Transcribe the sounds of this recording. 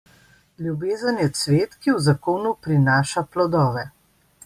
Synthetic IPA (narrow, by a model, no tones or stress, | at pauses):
lʲjubeːzənjɛt̪sʋeːt̪kiwzakoːnupɾinaːʃaplɔd̪ɔːʋɛ